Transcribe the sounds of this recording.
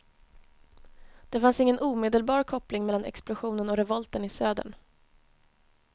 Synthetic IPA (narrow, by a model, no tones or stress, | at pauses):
d̪̥ɛfansɪŋːənʔuːmeːd̪əlbɑːɾkʰɔplɪŋmɛlːanɛ̰ksplʊɧuːnənɔɾɛvɔlt̪ənɪsøːd̪ə̰ɳ